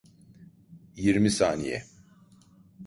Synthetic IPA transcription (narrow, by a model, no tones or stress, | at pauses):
jiɾmisaːnijɛ̰